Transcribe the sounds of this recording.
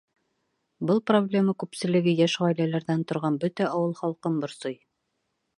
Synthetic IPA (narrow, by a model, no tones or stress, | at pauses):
bɤlˠproblʲe̞mɑkʉpsɘ̆lɘ̆ɡɘjæʃʁɑjlælæɾðænt̪ŏɾʁɑnbɵt̪æʔɑwɤlˠχɑlˠqɤmbŏɾsoj